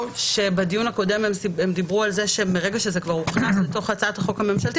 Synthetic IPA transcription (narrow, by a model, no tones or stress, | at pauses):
ʃe̞bedijunako̞de̞mememd̪ibʁualzeʃe̞meʁe̞ɡaʃezekvaʁuχnasleto̞χat͡saataχo̞khame̞mʃalt̪i